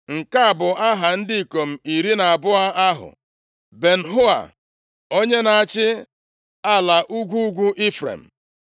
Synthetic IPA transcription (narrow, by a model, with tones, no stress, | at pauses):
ŋ̩˨ka˦a˨bʊ˨a˦ɦa˨n̩˦dɪ˦i˨ko˨m̩˨i˨ɾi˦na˨a˨bʊ˦a˦a˦ɦʊ̰˨ | be˨n̩˨ɦʊ˦a̰˨ | o˦ɲe˦na˨a˨t͡ʃɪ˦ | a˦la˨ʔu˦ɡʷu˦ɡʷu˦ʔi˦fɾḛ˨m̩˨